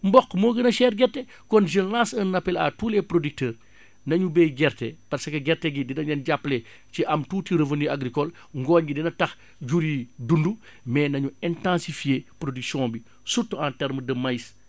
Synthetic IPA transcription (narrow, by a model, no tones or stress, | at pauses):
mbɔkːmoːɡənɐʃɛːɾɡɛɾtɛ | kɔnʒilãsɐnːɐpɛla̰tuːlɛpɾodik̚təːr | nɐɲubejɡɛɾtɛpɐɾsɐkɐɡɛɾtɛɡidinɐɲɐnɟapːlɛ | ciʔɐmtuːtiɾəvəniaɡɾikɔl | ŋɡɔɲɡidinɐtɐx | ɟuɾidundu | mɛːnɐɲuɛntãnsifijeːpɾodiksiɔ̃bi | sutːuãntɛɾmədɐmɐjs